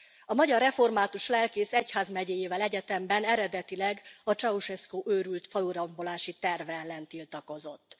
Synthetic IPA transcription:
ɒmɒɟɒrːɛfo̞rmaːt̪uʃlɛlkeːsɛchaːzmɛɟeːjeːvɛlɛɟɛt̪ɛmbɛnɛɾɛd̪ɛt̪ilɛɡɒt͡ʃɒuʃɛskoːʔøːɾylt̪fɒluɾɒmbo̞laːʃit̪ɛrvɛlːɛnt̪ilt̪ɒko̞zo̞t̪ː

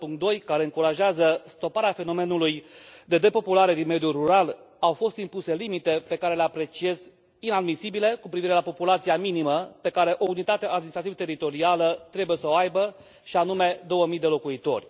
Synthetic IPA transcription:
puŋkt̪̚d̪o̞jkaɾe̞ɨŋkuɾaʒeazəst̪o̞paɾeafe̞no̞me̞nulujd̪e̞d̪e̞po̞pulaɾe̞d̪inme̞d̪juruɾal | awfo̞st̪impuse̞limit̪e̞pe̞kaɾe̞leapɾe̞t͡ʃie̞z | inad̪misibile̞kupɾiviɾe̞lapo̞pulat̪sijaminiməpe̞kaɾe̞ʔo̞unit̪at̪eaʔːd̪minist̪ɾat̪ivət̪eɾit̪o̞ɾialət̪ɾe̞buje̞səoajbə | ʃianume̞d̪o̞wəmijd̪e̞lo̞kuit̪o̞̰rʲ

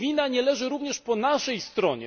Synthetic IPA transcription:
vʲinaɲɛlɛʐɘɾuvɲɛʂpɔnaʂɛjst̪ɾɔɲɛ̰

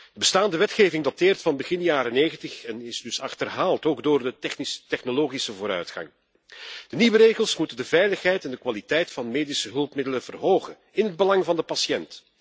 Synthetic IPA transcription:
d̥əbəstaːndəʋɛtxeːvɪŋdateːrtfɑnbəɣɪnjaːɾəneːɣəntəxɛnɪzdɵsɑxtərɦaːlˠtoːɡdoːrdəɛxnstɛxnoloːɣisəvoːɾœ̰ɥtxɑ̰ŋ | d̥əniʋəɾeːɣəlˠsmutəndəvɛjləxɦɛjtɛndəkʋalitɛjtfɑnmeːdisəɦɵlˠpmɪdələnvərɦoːχən | ɪnɦəd̚bəlɑŋvɑndəpɑsjɛnt

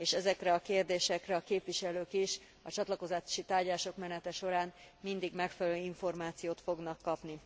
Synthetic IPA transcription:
eːʃɛzɛkrɛɒkeːrd̪eːʃɛkrɛɒkeːpʋiʃɛløːkiʃ | ɒt͡ʃɒt̪lɒko̞zḁːʃit̪aːrɟaːʃo̞kmɛnɛt̪ɛʃo̞ɾaːnmind̪iɡmɛkfɛlløːiɱfo̞rmaːt̪sijoːt̪fo̞ɡnɒkːɒpni

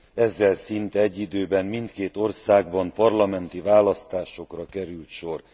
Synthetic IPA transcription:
ɛzːɛlsint̪ɛɛɟːid̪øːbɛmmint̪keːt̪o̞rsaːɡ̚bɒmpɒrlɒmɛnt̪ivaːlɒst̪aːʃo̞krɒkɛɾylt̪ʃor

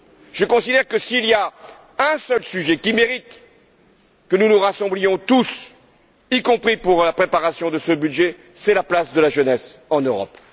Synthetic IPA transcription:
ʒ̥əkɔ̃sid̪ɛʁkəsiːlja | ɛ̃sœlsyʒɛkʲimeʁit̪ | kənunuʁasɑ̃blijɔ̃t̪us | ikɔ̃pχipuʁlapχepaʁasjɔ̃d̪əsəbyd̪ʒe | sɛlaplasd̪əlaʒənɛsɑ̃nøʁɔ̰p

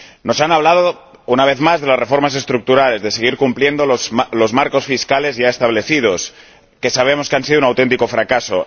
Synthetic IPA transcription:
no̞sanaβ̞lað̞o | unaβ̞eθmazðe̞lasrefo̞ɾmas̬e̞st̪ɾuk̚t̪uɾale̞zðeseɣ̞iɾkumplje̞nd̪ooslo̞zmaɾko̞sfiskale̞zʝaest̪aβ̞le̞θið̞os | ke̞saβ̞emo̞skeansiðounawt̪ent̪iko̞fɾakaso̰

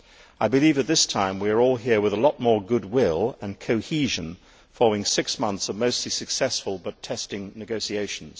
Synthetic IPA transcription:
aɪbɨlivɨt̪̚ðɪstʰãɪ̃mwiə˞ɔlˠɦiɹwəðəlɔt̚mɔɹɡʊd̚wɪlˠə̃nkʰoʊhiʒɨ̃n | fɑlˠəʊɪ̃ŋsɪksmʌ̃nθsʌvmoʊstˡlisɨksɛsfəl̩ˠbʌtʰɛstɪ̃ŋnɨɡoʊsieɪʃn̩z̥

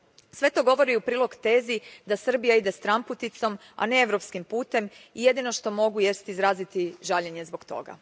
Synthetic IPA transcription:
sʋe̞t̪o̞ɡo̞ʋo̞ɾiupɾiːlo̞ɡt̪e̞ːzid̪asr̩bijaid̪e̞st̪ɾamput̪it̪so̞m | a̰ne̞e̞ʋɾo̞pskimpuːt̪e̞mije̞d̪ino̞ʃt̪o̞mo̞ɡuje̞st̪izɾaːzit̪iʒaʎeɲe̞zbo̞ɡt̪o̞̰ɡa̰

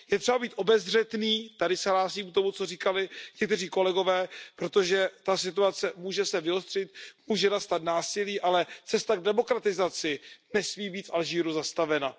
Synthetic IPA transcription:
jɛt̪r̝̥ɛbabiːt̪ʔo̞bɛzr̝ɛt̪niːt̪adɪsɛɦlaːsiːm̚t̪o̞mut͡so̞riːkalɪɲɛk̚t̪ɛriːko̞lɛɡo̞vɛːpɾo̞t̪o̞ʒɛt̪asɪt̪uat͡sɛmuːʒɛsɛvɪost̪r̝̥ɪt̪̚muːʒɛnast̪at̪naːsɪliːʔalɛt͡sɛst̪aɡ̚dɛmo̞kɾat̪ɪzat͡sɪnɛsmiːbiːt̪fʔalʒiːɾuzast̪avɛna

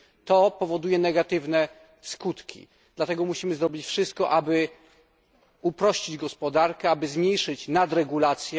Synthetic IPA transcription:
t̪ɔpɔvɔd̪ujɛnɛɡat̪ɘvnɛ | skut̪kʲḭ | d̪̥lat̪ɛɡɔmuɕimɘzɾɔbʲit͡ɕfʂɘst̪̚kɔʔabɘ | upɾɔɕt͡ɕid͡ʑɡɔspɔd̪aɾkɛabɘzmʲɲejʂɘt͡ɕnad̪ɾɛɡulat̪sʲjɛ

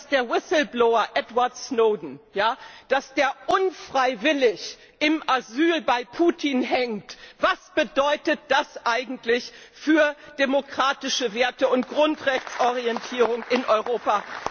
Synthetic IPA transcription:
sd̥eːɐwɪsl̩blɔʊɐʔɛtvaɐtsnoʊdn̩jaːd̥asd̥eːɐʔʊnfʁ̥aɪvɪlɪç | ʔɪmʔazyːlbaɪpʰuːtʰinɦɛŋtv̥asb̥ədɔʏtət̚d̥asʔaɪɡŋ̩tlɪç | fyːɐd̥emokʁ̥aːtɪʃəveːɐtəʊnt̚ɡ̥ʁʊntʁɛçt͡sʔɔʁiɛntʰiːʁ̞ʊŋʔɪnʔɔʏʁoːpa

